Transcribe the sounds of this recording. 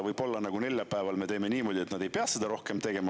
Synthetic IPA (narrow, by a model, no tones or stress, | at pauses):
vɯjbo̞lːɑnɑɡ̥une̞lʲjɑpæevɑlme̞t̪eːme̞niːmo̞d̪̥ʲiet̪nɑd̪e̞jpeɑsːed̪ɑɾo̞hke̞mt̪e̞ɡ̥e̞mɑ